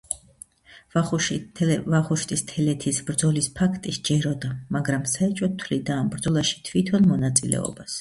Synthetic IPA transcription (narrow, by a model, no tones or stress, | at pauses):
vaχuʃt̪ʼʰist̪ʰɛlɛt̪ʰisbɾd̪zɔlispʰakʰt̪ʼisd͡ʒɛɾɔd̪amaɡɾamsaɛt͡ʃʼɔt̪ʰːvlid̪aːmbɾd̪zɔlˠaʃi̥t̪ʰvit̪ʰɔnmɔnat̪sʼilɛ̰ɔ̰bas